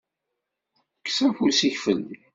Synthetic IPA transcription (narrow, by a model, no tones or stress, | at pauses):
kːsæçulsiçfəl